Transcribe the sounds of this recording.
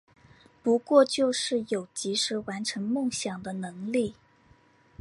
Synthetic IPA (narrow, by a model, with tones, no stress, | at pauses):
pu˧˥kwɔ˥˧t͡ɕjo˥˧ʊʂɻ̩˥˩jo˨˩ʊt͡ɕi˧˥ʂɻ̩˧˥wa˧˥nʈ͡ʂʰɤ˧˥ŋmɤ˥˩ŋɕjɑ˨˩ŋd̪ə˦nɤ˧˥ŋli˥˩